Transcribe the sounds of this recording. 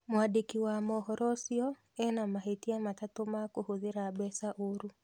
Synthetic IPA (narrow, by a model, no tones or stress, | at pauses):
mwadikiwamɔhɔɾɔsiɔ | ɛnamaɦetiamatatomakohoðeɾabɛsaʔoɾu